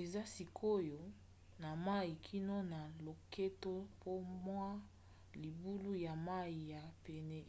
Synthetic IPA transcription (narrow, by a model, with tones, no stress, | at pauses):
e˨za˦si˨kʰo˦jo˨ | na˨ma˦i˨kʰi˦no˦na˨lo˨kʰe˦to˦pʰo˦mwa˦ | li˨bu˦lu˦ja˨ma˦i˨ja˨pe˨nɛ˦